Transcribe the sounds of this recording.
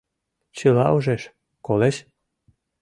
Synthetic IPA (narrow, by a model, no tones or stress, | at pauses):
t͡ɕəlɑoʒeʃ | koleʃ